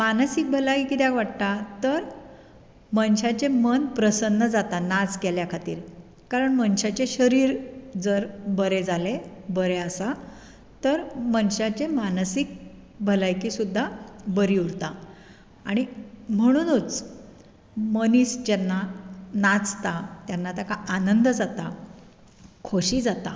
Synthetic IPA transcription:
manəsik̚bʱəlaikit̪jakʋaʈt̪at̪əɾ | mənɕat͡ɕemənpɾəsənːəd͡zat̪anad͡zkeljakʰat̪ḭːɾ | kaɾəɳmənɕat͡ɕeɕəɾiːɾd͡zəɾbəɾed͡zalebəɾeəsa | t̪əɾmənɕat͡ɕemansik̚ | bʱəlajkiːsud̪ʱːabəɾiuɾt̪a | aɽ̃im̤əɽ̃uːnut͡s | məniːsd͡ʑɛnːanat͡st̪at̪janːat̪akaʔanənd̪d͡zat̪a | kʰoɕiːd͡zat̪a

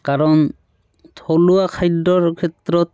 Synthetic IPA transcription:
kaɾɔn | t̪ʰoluakʰajdɔɹkʰet̪ːɾɔt̪

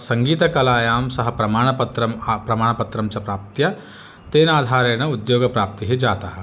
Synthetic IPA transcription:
sɐ̃ŋɡiːt̪ɐkɐlaːjaːmsɐɦɐpɾɐmaːɳ̃ɐpɐt̪ɾɐmpɾɐmaːɳ̃ɐpɐt̪ɾɐmt͡ʃɐpɾaːp̚t̪jɐ | t̪eːnaːd̪ʱaːɾeːñɐʊd̪joːɡɐpɾaːp̚t̪iɦid͡ʒaːt̪aːɦɐ

